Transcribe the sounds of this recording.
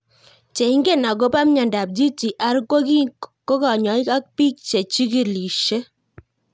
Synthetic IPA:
t͡ʃe˨i˦ŋɡe˦na˨k̬o˦pa˦mɲa˨nda˨p̚d͡ʒi˦t͡ʃi˨ʔa˨˦ɾkwo˦ki˦ko˦kɔ˨ɲɔ˨˦i˦ka˦k̚pi˦k̚t͡ʃe˨t͡ʃi˦ki˨li˨ʃe˦

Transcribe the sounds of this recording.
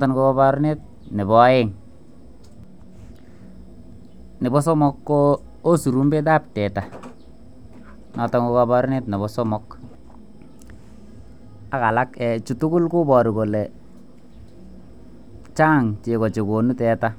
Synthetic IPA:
tɔ˨nko˦kɔ˦ba˦ɾnɪ˦t̚ | nɪ˨bɔ˦ɪ˦ŋ | nɪ˨bɔ˦sɔ˦mɔ˦kːo˦ | o˦su˨ɾu˦mbe˦t̬a˦˨p̚tɛ˨ta˨ | nɔ˨tɔ˨ŋko˦kɔ˧bɔ˦ɾnɪ˦tnɪ˨bɔ˦sɔ˦mɔ˦k | a˦ka˨la˦kɛ˨t͡ʃu˨tʊ˦kʊ˦lkʊ˦bɔ˨ɾi˨ko˨lɛ˨ | t͡ʃaː˦ŋt͡ʃe˨kɔ˨t͡ʃe˨ko˨nu˦tɛ˨ta˦

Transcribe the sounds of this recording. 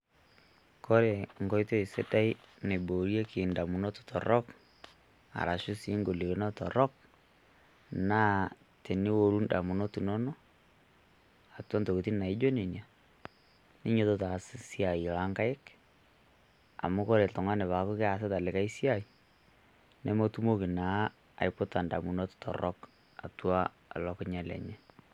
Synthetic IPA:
ko˦ɾe˨ŋɡɔ˦jto˦i˨se˦da˦i˦ne˨bo˨ɾje˦kɪ˨nda˨mu˨nɔ˦tu̥˨tʰɔ̰˨ɾɔ˦k | a̰˨ɾa˨ʃʊ˦si˦ŋɡo˨li˨ke˨˦nɔ˦tɔ̰˨ɾɔ˦k̚ | naː˦ | te˨nɪ˦wo˨ɾu˦nda̰˨mu˨no˦tu˨nɔ˦nɔ˦ | a˨twɔ˦nto˨kti˦na˨ɪ˦d͡ʒo˦ne˨nja˨ | nɪ˦ɲo˦to˦ta˨ssi˦a˨i˨la˦ŋka˦ɪ˦k | a̰˨mʊ˦kɔ˦ɾe˨ltʊ˨ŋa˦nɛ˨βa˨˦kʊ˦kɪ˦a˨s̬ɪ˦ta˨lɪ˨ka˦i˦si˦a˦˨i˨ | nɛ˦mo˦tu˦mo˦ki˨na˨˦ | a̰˨jpʊ˦ta˨nda˨mu˨nɔ˦ttɔ̰˨ɾɔ˦k | a̰˨twa̰ː˦˨ | lɔ˦kɪ˦ɲa˦lɛ̰˨ɲɛ˦

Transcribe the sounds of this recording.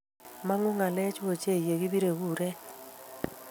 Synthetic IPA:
ma˦ŋʊ˦ŋa˨lɛ˦t͡ʃo˨t͡ʃe˦˨je˨ɡi˦bi˦ɾe˨ɣu˦˨ɾɛ˦

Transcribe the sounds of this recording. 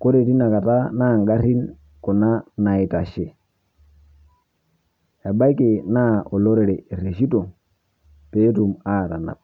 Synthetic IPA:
ko˦ɾe˨ti˦na˨ka˨ta˦na˦˨ŋɡa˦ɾi˦n | ko˨na˦na˨i˨ta˨ʃe˨ | ja˨ba˦i˦ke˨na˦o˨lo˦ɾe˨ɾe˨e˨ɾe˨ʃi˦to˨ | pe˦tu˨ma˦˨ta˨na̰˨p̚

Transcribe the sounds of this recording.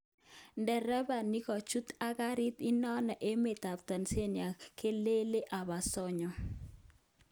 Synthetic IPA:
ndɛ˨ɾɛ˦ba˨ni˦kɔ˨t͡ʃu˦t̪a˦ɡa˦ɾi˦t̪i˦nɔ˦nɔ˨ʔe˦me˨t̪a˨pt̪a˨nse˦nja˨ke˦le˦le˦ʔa˨ba˨sɔ˦ɲɔ˨

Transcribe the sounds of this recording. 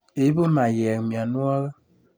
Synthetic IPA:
e˨˦bə˦ma˨jɛ˨kmja˨nwa˦ɣə˦

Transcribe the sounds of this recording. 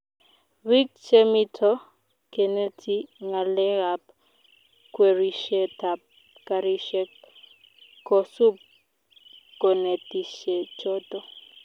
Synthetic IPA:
wi˦k̚t͡ʃe˦mi˦tʰɔ˦ | kɛ˨ne˦tʰi˦ŋa˨lɛ˦ɣa˨p | kwe˨ɾi˨ʃɛ˦ta˨p̚ | ka˨ɾi˦ʃɛ˦k | kːɔ˨su˦p̚ | kɔ˨ne˨ti˨ʃɛ˨t͡ʃɔ˦tɔ˦

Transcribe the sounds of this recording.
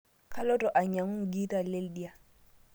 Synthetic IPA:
kʰa˦lɔ˦tʼɔ˨ʔa˨ɲa˨ŋʊ˦ŋ̩˨ɡi˦ta˨lɪ˦ldi˦a˨

